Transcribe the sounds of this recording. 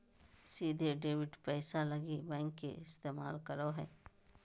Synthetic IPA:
siːd̪ʱeɖeːʋɪʈpɛːsalɐɡibɛ̃ːŋkːeɪst̪eːmaːlkɐɾoɦɛ̰ː

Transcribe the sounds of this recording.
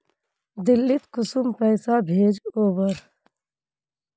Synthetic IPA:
d̪ɪlːɪt̪kʊsʊmpəːsabʱeːd͡ʒoːbəɾ

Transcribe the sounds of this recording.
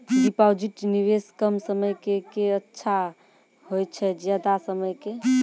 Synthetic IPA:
ɖipawd͡ʒiʈniʋeskəmsəməjkekeətːʃʰa | ɦojt͡ʃʰɛd͡ʒjad̪asəməjke

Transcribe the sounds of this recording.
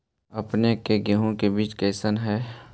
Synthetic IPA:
ɐpnekeɡeɦõkebiːt͡ʃkɛːsənɦɛː

